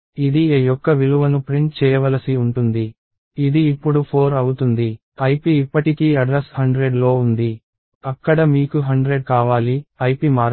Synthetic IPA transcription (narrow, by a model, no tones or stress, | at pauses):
id̪ieːjɔkːɐʋiluʋɐnupɾiɳʈ̚t͡ʃɛːjɐʋɐlɐsiuɳʈund̪iː | d̪iːpːuɽupʰoːɾɐwut̪und̪i | ɐjpiːpːɐʈikiːɐɖɾɐshɐɳɖɾeɖlo̞ːund̪i | ɐkːɐɽɐmiːkuɦɐɳɖɾeɖ̚kaːʋaːliɐjpimaːɾ